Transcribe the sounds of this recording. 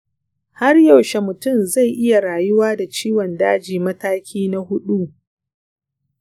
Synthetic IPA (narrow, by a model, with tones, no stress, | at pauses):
ha˦rja˨wʃe˨mʊ˨tʊ˦˨mza˦˨jʔɪ˦ja˨ɾaː˨jʊ˦waː˦da˨t͡ʃiː˦wɔ˨ndaː˦d͡ʒiː˨mɐ˦taː˦kʲʰiː˦na˦hʊ˦ɗu˦